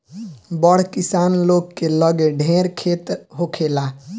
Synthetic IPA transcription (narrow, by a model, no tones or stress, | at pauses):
bəɽ̤kisanlokːeləɡeɖʱeɾkʰet̪ɦokʰela